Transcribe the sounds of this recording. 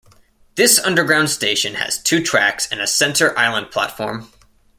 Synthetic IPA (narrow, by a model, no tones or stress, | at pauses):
ðɪsʌ̃ndə˞ɡɹãʊ̃nd̥steɪʃɨ̃nɨ̰z̥tʰʉtʰɹ̥æ̰ksɨ̃nɨsɛ̃ntʰə˞ʔaɪlˠə̃npʰl̥æ̰tfɔ̰ɹm